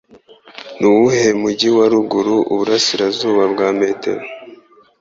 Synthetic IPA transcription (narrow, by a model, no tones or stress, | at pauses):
nuwuhe̞muɟiwaɾuɡuɾuʔuβuɾasiɾazuːβabɡaːmeːte̞̰ɾo